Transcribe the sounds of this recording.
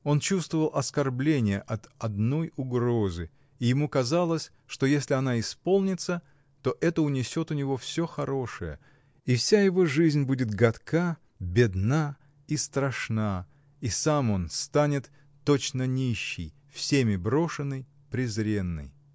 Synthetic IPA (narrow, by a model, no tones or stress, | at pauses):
o̞nt͡ɕust̪vəvəlˠɐskɐrblʲenʲɪjəʔɐt̪ɐd̪no̞jʊɡɾo̞zɨ | ijɪmukɐzalˠəsʲ | ʂt̪o̞jesʲlʲɪɐnaɪspo̞lˠnʲɪt̪sə | t̪o̞ʔɛt̪əʊnʲɪsʲo̞t̪ʊnʲɪvo̞fsʲo̞xɐɾo̞ʂɨjə̰ | ifsʲajɪvo̞ʐizʲnʲbudʲɪt̪ɡɐt̪kʰa | bʲɪd̪na | ist̪ɾɐʂna | isamo̞nst̪anʲɪt̪ː | o̞t͡ɕnənʲiɕːɪ̰j | fsʲemʲɪbɾo̞ʂɨnːəj | pɾʲɪzɾʲe̞nːɨ̰j